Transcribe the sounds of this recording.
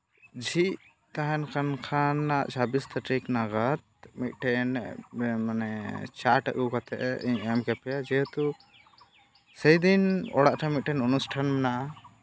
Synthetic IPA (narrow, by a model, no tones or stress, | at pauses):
d͡ʒiʔ | t̪aɦɛnkʰankʰanːaʔt͡ʃabist̪ʰaʈɾiknaɡat̪̚mit̪̚ˀʈɛnmanɛt͡ʃaʈəʔukat̪ɛʔɛʔḭɲɛmkɛpʰɛad͡ʒɛɦut̪u | səjd̪inɔ̰ɽaʔʈʰamit̪̚ʈɛnunusʈʰanmɛnaʔa